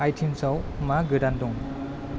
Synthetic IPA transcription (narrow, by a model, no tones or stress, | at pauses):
ajtʰimsawmaɡɯdandɔŋ